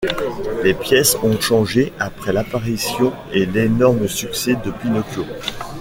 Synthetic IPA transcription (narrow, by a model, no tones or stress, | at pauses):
lepjɛsɔ̃ʃɑ̃ʒeapχɛlapaʁisjɔ̃ | elenɔʁməsyksɛd̪əpinɔkjo